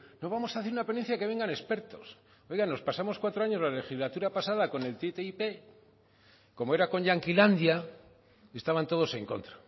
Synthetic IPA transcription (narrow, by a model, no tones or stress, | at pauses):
no̞βamo̞saθeɾunape̞nenθjake̞β̞e̞ŋɡane̞spe̞ɾt̪o̞s | o̞jɣano̞spasamoskwat̪ɾoaɲo̞zlale̞xizlat̪uɾapasaðako̞ne̞lt̪et̪eipe̞ | ko̞moe̞ɾako̞ɲʝaŋkiland̪ja | est̪aβant̪o̞ð̞o̞se̞ŋko̞̰nt̪ɾḁ